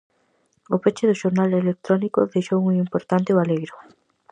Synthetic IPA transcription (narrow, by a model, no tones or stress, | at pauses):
opet͡ʃeðʊʃoɾnalelek̚t̪ɾɔnikoðejʃowuŋimpoɾt̪ant̪ɪβaleɣɾʊ